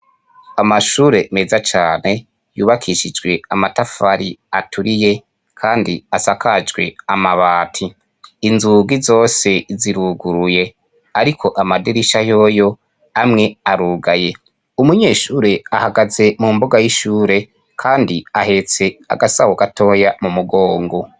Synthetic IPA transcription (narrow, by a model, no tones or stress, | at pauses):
amaʃuːɾe̞mezat͡ʃaːne̞ | juːβakʰiʃid͡ʒɡwe̞amatafaɾiatuɾije̞ | kʰaːndiasakad͡ʒɡwe̞̰amaβaːtʰiː | nzuɡizo̞ːse̞ziɾuɡuɾuje̞ | aɾikʰo̞ʔamadiɾiʃajo̞ːjo̞ | amŋe̞aɾuːɡaje̞ | umuɲe̞ːʃuːɾeahaɡaze̞mumboɡajiʃuːɾe̞ | kʰaːndiahe̞t͡se̞a̰ɡasahoɡatʰo̞ːjamumuɡo̞ːŋɡo̞